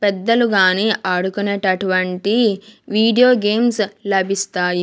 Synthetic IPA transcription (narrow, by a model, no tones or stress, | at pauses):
pɛd̪ːɐluɡaːneːʔaːɽukunɐʈɐʈuʋɐɳʈiʋiːɖijo̞ːɡeːmslɐbʱist̪aːji